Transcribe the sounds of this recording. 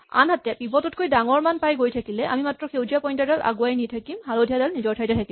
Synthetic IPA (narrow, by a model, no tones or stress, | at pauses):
a̰nɦatɛpibɔtɔt̚kojdaŋɔɹmanpajɡojtʰakilɛʔa̰mimatɹɔxewzijapɔjntadaʔa̰ɡuajnitʰakimɦalodʱijadalnizɔɹtʰajtɛtʰaki